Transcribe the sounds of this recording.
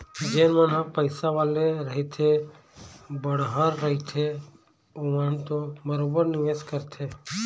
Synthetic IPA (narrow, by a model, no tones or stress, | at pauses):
d͡ʒeːnmənãpəɪsaʋaːleɾəɦit̪ʰe | bəɽ̤ɦaːɾːəɦit̪ʰe | oːʋant̪oməɾoːbəɾnɪʋeːskəɾt̪ʰeː